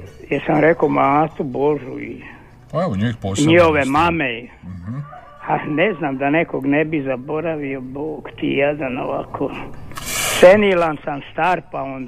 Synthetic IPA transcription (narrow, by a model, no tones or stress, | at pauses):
jesamɾekomaːt̪ubo̞ʒuḭ | eoɲipoɲihoʋemame | aneznaːmd̪anekoɡnebizabo̞ɾaʋio̞boːɡt̪ḭjed̪anoʋakʰo | senilansamst̪aːɾpaond̪